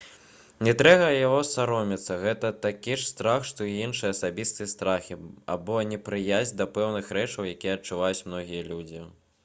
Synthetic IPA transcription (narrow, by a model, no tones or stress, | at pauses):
nʲɛt̪ɾɛɣɐjaɣɔsaɾɔmʲit̪sːɐɣɛt̪ɐt̪akʲiʂst̪ɾaxʂt̪ɔiinʂɨjɐːsabʲist̪ɨjɐst̪ɾaxʲia̰bɔnʲɛpɾɨjazʲd̪ɐpɛwnɨxɾɛt͡ʂɐwjakʲijɛɐt͡ʂuvajut͡sʲmnɔɣʲijɐlʲud͡zʲi